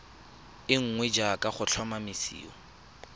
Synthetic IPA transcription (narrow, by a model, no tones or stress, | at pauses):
ɪŋ̩ŋwɛd͡ʒakʼaχʊt͡ɬʰwamamɪsḭːɔ̰